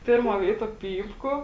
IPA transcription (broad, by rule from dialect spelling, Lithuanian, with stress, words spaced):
ˈpʲeːrˌmuɔ ˈʋʲeːɪtuɔ ˈpʲiːpkʊ